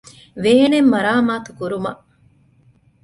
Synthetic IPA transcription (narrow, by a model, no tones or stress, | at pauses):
ʋeːɦenemːɐɾaːmaːt̪u̥kuɾumɐʔ